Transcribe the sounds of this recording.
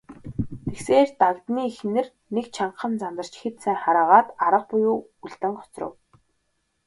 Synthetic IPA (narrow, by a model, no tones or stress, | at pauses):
t̪ʰexseːrt̪aɣt̪niːxnɘ̆r | nekt͡ɕʰaɴ̆χə̆nt͡sant̪ə̆r̥t͡ɕxet̪sæːŋχaɾəːʁaːt̪aɾə̆q̚pʊjʊː | uɮt̪ɘ̆ŋɢɔ̥t͡srə̰̆w